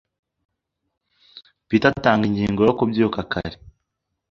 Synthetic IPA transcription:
piːtataːŋɡiɲɟiːŋɡojokubjuːkakʰa̰ɾe

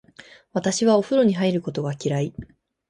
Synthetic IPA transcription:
βat̪aɕiβao̞ɸɯ̟ɾo̞ɲ̟iɦaiɾɯ̟ko̞t̪o̞ɡakʲiɾai

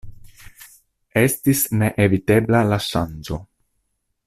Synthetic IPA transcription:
e̞stisne̞ʔevite̞blalaʃand͡ʒo̞

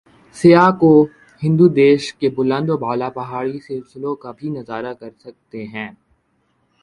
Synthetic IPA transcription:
sɪjako | hɪ̃nd̪ud̪eːʃkebʊlə̃nd̪ɔbʱaːlapɐɦaːɽisɪlsɪlõkabʱinɐzaːɾakɐɾsɐk̚t̪eɦɛ̃ː

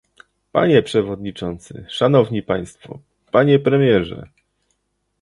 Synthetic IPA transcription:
pa̰ɲɛpʂɛvɔd̪ɲit͡ʂɔnt̪sɘ̰ʂanɔvɲipaj̃st̪fɔ̰ | paɲɛpɾɛmʲjɛʐɛ̰

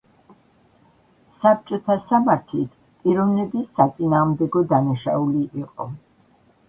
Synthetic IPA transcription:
sap̚t͡ʃʼɔt̪ʰasamaɾt̪ʰlit̪ʰ | pʼiɾɔvnɛbisːat̪sʼinaːʁmd̪ɛɡɔd̪anaʃauliʔiqʼɔ̰

